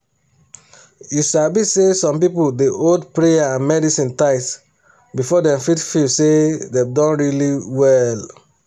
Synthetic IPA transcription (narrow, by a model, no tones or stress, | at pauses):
juʃabisesɔ̃mpipoldeʔodpɹeaãnmɛdisĩntaɪts | bifɔdɛ̃mfitfisededɔ̃nɹiliwɛl